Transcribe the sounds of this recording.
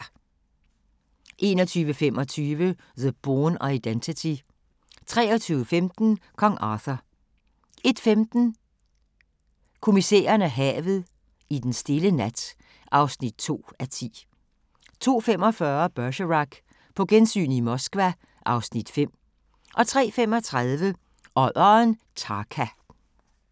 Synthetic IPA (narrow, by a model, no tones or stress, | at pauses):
ʔe̝ːnɒt͡sʰyːʋəfem̰ʔɒ̽t͡sʰyːʋə | ðəb̥oːnɑid̥ent͡sʰit͡sʰi | t͡sʰʁɛ̰ːɒt͡sʰyːʊəfemd̥n̩kʰɒ̽ŋʔɑːθɐ | e̝d̥femd̥n̩ | kʰo̝misḛːɐnæɦɛ̰ːʋð̩ˠ | id̥ensd̥e̝lənæd̥ | ʔɑ̈ʊsnid̥̚t͡sʰo̝̰ːæt͡sʰḭː | t͡sʰo̝̰ːfem̰ɒ̽fɶːɐb̥ɶɐɕəʁɑɡ̥ | pʰɒ̽ɡ̥ensy̰ːnimɒ̽sɡ̥ʋæ | ʔɑ̈ʊsnid̥fem̰ | ʔɒ̽t͡sʰʁɛ̰ːfemɒ̽t͡sʰʁað̞ˠʋə | ʔɒðˠɒn | t͡sʰɑ̈ːkʰæ